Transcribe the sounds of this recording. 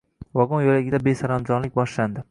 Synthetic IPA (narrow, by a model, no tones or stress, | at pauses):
wɒɡʊnjolaɡʲɪd̪abesaɾamd͡ʒɒnlɪk̚ʲbɒʃland̪ɪ